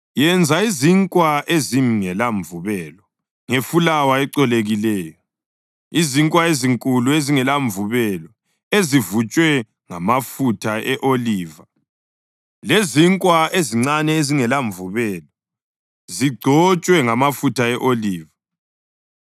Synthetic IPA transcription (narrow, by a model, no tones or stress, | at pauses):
jɛnd͡zʱaiziŋkʼwaʔeziŋɛlaɱvuβɛlɔ | ŋefulawaɛǀɔleɣilɛːjɔ | iziŋkʼwaeziŋkʼulueziŋɛlaɱvuβɛlɔ | ezivut͡ʃʼwɛ | ŋamafutʰaɛʔoliːva | leziŋkʼwaeziŋ͡ǀanɛeziŋɛlaɱvuβɛlɔ | ziɡ͡ǀʱɔt͡ʃʼwɛŋamafutʰaɛʔoliːva